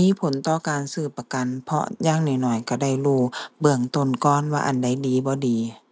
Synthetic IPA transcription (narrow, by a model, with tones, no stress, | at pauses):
miː˧˥˨pʰo˨˦nt̪ɔː˧˨kaː˨nsɯː˧˩pːa˧ka˨npʰɔ̰˧jaː˧˥˨ŋnɔː˧˩˨nɔː˧˩jka˧˩da˧˩˨jluː˧˩bɯ˧əŋt̪o˧˩˨nkɔː˧˥˨nwaː˧ʔa˨nda˧˥˩jdiː˨˦bɔː˧˦diː˨˦